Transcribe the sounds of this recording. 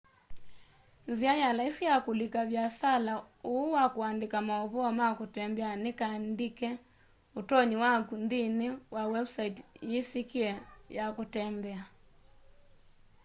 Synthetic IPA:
nziajalaisijakulikaβjasala | uwakoandekamaɔβɔɔmakotɛmbɛanekaːndikɛ | otɔɲiwakundinewawɛbsaitjisikiɛjakotɛmbɛa

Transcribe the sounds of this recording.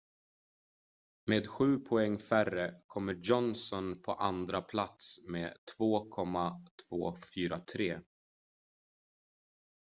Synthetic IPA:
meːd̪ɧʉ̟ːpʰɔɛŋːfærəkʰɔmːəjɔnsɔnpʰɔʔand̪ɾapʰlat̪smeːt̪ʰvoːkʰɔmːat̪ʰv̥oːfyːɾat̪ʰɾeː

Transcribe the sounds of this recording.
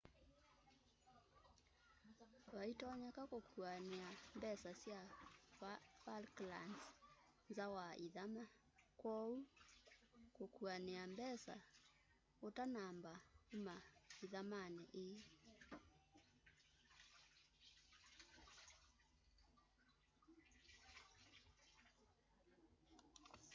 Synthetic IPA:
waitɔɲakakokʰuaneambɛsasja | falkla̰ns | nzawaʔiðama | kwɔu | kokuaneambɛsa̰ | otanambaumaiðamanɛʔe

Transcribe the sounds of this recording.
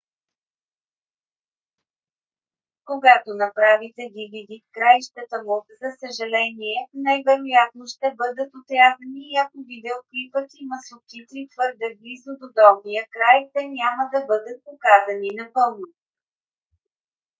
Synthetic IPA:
koɡat̪onɐpɾavit̪ɛɡʲivid̪it̪kɾajʃt̪ət̪əmuzɐsəʒɐlɛniɛnajvɛɾojat̪̚noʃt̪ɛbɤd̪ət̪ot̪ɾʲazəniːakovid̪ɛokɾipək̪iməsʊkʲit̪it̪v̥ɤɾd̪ɛblizod̪od̪ɔbnijəkɾajt̪ɛnʲaməd̪ɐbɤd̪ət̪̚pokazɐninɐpɤlˠno

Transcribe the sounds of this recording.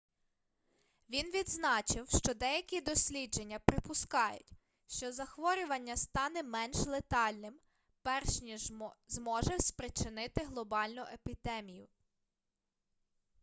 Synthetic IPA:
ʋʲinʋʲid̪znɑt͡ʃɪwʃt͡ʃɔd̪ɛjɐkʲid̪ɔsʲlʲid͡ʒe̞nʲːɐpɾɪpʊskɑjʊ̰tʲ | ʃt͡ʃɔzɐxʋɔɾʲʊʋɐnʲːɐst̪ɑnɛmɛnʃlˠet̪ɑlʲnɪm | pɛrʃnʲizmɔʒɛspɾɪt͡ʃɪnɪt̪ɪɦlˠɔbɑlʲnʊʔepʲid̪ɛmʲijʊ

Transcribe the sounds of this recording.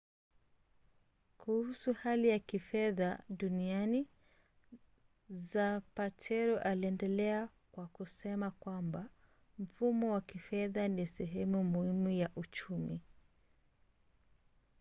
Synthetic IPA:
kuhusuhalijakifɛðaɗuniani | zapatʰɛɾɔʔaliɛndɛlɛa | kwakusɛmakwamba | m̩fumɔwakifɛðanisɛɦɛmumuhimujaʔut͡ʃumḭ

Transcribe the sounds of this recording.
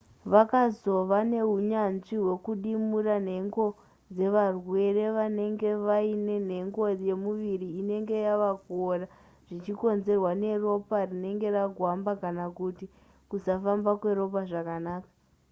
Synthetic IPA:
ʋakazo̞ʋane̞ɦuɲanʐiɦwe̞kuɗimuran̤e̞ŋɡo̞ | d͡ze̞ʋarwe̞re̞ʋane̞ŋɡe̞ʋaine̞n̤e̞ŋɡo̞je̞muʋiriːne̞ŋɡe̞jaʋaɡora | ʐ̥it͡ʃiko̞nze̞rwane̞ro̞parine̞ŋɡe̞raɡʱwambakanakuti | kusafambakwe̞ɾo̞p̬aʐakanaːkḁ

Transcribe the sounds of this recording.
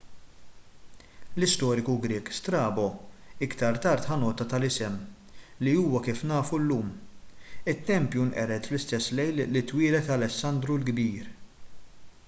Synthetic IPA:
lɪst̪ɔːɾɪkuɡɾɪːkst̪ɾɐːbɔɪkt̪ɐɾt̪ɐɾt̪ħɐnɔːt̪ɐt̪ɐlɪsɛm | liuːwɐkiːfnɐːfulːuːm | ɪt̪ːɛmpjunʔɛ̰ɾɛt̪flɪst̪ɛsːlɛjlːɪt̪ːwiːɾɛt̪ɐlɛsːɐnd̪ɾulɡbiːɾ

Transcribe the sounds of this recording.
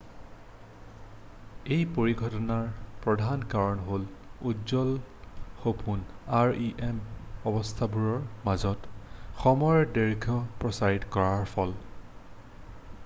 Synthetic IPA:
ejpoɹiɡʱɔtɔnaɹpɹɔdʱankaɹɔnɦoludzɔlxopʰunaɹiʔemɔbɔstʰabuɹɔɹmazɔtxɔmɔjdɛɹɡʰʱɔpɹɔsaitkɔɹaɹpʰɔl

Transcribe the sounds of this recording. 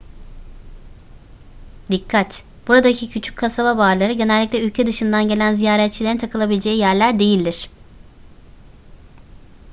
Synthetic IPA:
d̪ikʰːat̪ | b̥uɾad̪acʰicʰyt͡ʃʰy̥c̚kʰasababaːɾlˠaɾɯɟe̞nɛlʲːiclʲɛylʲcʰɛd̪ɯʃɯnd̪anɟe̞lʲænzijaːɾɛt̪̚t͡ʃʰilʲeinʰakʰɯlˠabilʲed͡ʒe̞jijæɾlʲæɾd̪e̞jilʲd̪iɾ̥

